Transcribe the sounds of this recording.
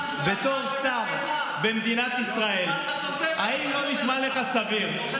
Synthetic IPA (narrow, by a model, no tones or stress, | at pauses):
be̞t̪o̞ʁsaʁ | bemd̪inat̪isʁae̞l | aimlo̞niʃmaleχasaviʁ